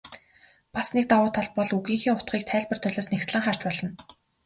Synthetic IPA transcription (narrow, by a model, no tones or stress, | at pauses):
pasnek̚t̪awʊːt̪ʰaɮpɔɮuɣiːŋxiːŋʊt̪ɢiːk̚t̪ʰæːɮpə̆rt̪ʰœɮʲɔːsnext̪ɮə̆ŋχar̥t͡ɕpɔɮɞ̆n